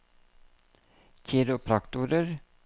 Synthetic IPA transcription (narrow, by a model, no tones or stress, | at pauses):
çʰiːɾʊpʰɾɑkt̪uːɾəɾ